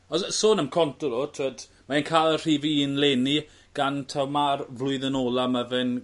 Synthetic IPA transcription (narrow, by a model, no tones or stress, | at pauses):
ɔsəsoːnəmkʰɔntʊɾɔtʰəd | maenkʰajlˠər̥iːvinleːni | ɡ̥antʰawmarvlʊɨðənoːlˠamavɪn